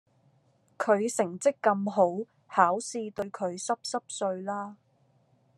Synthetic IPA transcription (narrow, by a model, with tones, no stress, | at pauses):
kʰɵ˨˧ɥsɪ˨˩ŋt͡sɪ˥kːɐ˧mɦo˨˥w | haː˨˥wsiː˧t̪ɵ˧ɥkʰɵ˨˧ɥsɐ˥p̚sɐ˥p̚sɵ˧ɥlaː˥